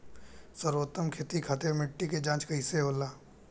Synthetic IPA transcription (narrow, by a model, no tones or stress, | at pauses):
səɾoːt̪əmkʰeːt̪ikʰat̪emɪʈːiked͡ʒãːt͡ʃkəiseɦoːlaː